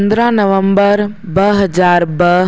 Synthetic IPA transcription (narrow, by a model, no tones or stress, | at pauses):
nd̪ɾanəʋə̃mbəɾ | bəɦəd͡ʒaːɾbə